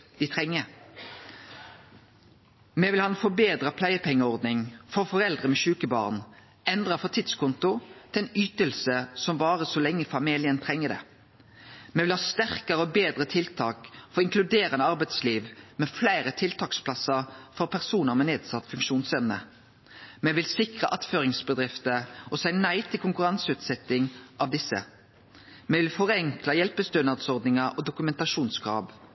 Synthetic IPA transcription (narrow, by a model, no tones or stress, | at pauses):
d̪̥ɪt̪ʰʁɛŋːə | meʋɪlhɑnfɔbeːd̪ʁɑpʰlæɪəpʰɛŋːəɔʁd̪nɪŋfɔʁfɔʁɛld̪ʁəmɛʃʉːkəbɑ̰ːʁn | ɛnd̪ʁɑfɔt̪ʰɪd̪skʰʊnt̪ʊt̪ʰɪlɛnyːt̪əlsəsɔmbɑːʁəsɔlɛŋːəfɑmiːlɪənt̪ʰʁɛŋːəd̪ɛ̰ | meːʋɪlhɑːst̪æʁkəʁəɔbeːd̪ʁət̪ʰɪlt̪ʰɑːkfɔɾɔɪŋklʉd̪eːʁənəɑʁbæɪd̪sliːʋmɛflæɪʁət̪ʰɪlt̪ʰɑːkspʰlɑsəʁfɔʁpʰæʁsuːnəʁmɛneːd̪sɑt̪ːfʉŋkʃuːnsɛmnə̰ | mɛʋɪlsɪkʁəʔɑt̪føːʁɪŋsbəd̪ʁɪft̪əɔsæɪnæɪt̪ʰɪlkʊŋkʉʁɑnsəʉːt̪sɛt̪ːɪŋʔɑʋd̪ɪsːə̰ | mɛʋɪlfɔʁɛŋklɑjɛlpəst̪ønɑʁd̪sɔʁd̪nɪŋɑʔɔd̪ʊkʉmɛnt̪ɑʂuːnskʰʁɑ̰ːʋ